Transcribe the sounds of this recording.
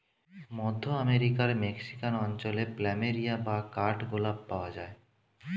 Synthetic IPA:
mɔd̪ʱːoameɾikaɾmeksi̥kanɔnt͡ɕoleplɛmeɾijabakaɾʈɡolab̚paoad͡ʑae

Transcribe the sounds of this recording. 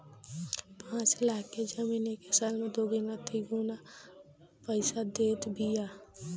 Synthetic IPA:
pãːt͡ʃɪlaːked͡ʒəmiːneːkesaːlmẽd̪oːɡinat̪ʰiɡuna | pəɪsad̪eːt̪bʱijaː

